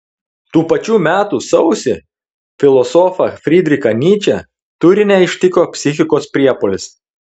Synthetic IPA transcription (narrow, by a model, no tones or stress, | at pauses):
t̪uːpɐt͡ʃʲuːmʲæːt̪uːsɐʊsʲɪ | fʲɪlˠɔsɔːfɐfʲɾʲid̪ʲɾʲɪkɐnʲiːt͡ʃʲɛ | t̪ʊɾʲɪnʲɛɪʃʲt̪ʲɪkoːpʲsʲɪxʲɪkoːspʲɾʲiɛpɔlʲɪs